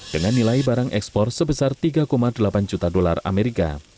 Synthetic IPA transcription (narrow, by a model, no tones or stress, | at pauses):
d̥əŋanːilaibaɾaŋʔɛkspɔrsəbəsart̪iɡakomadəlapand͡ʒut̪adolara̰meɾika̰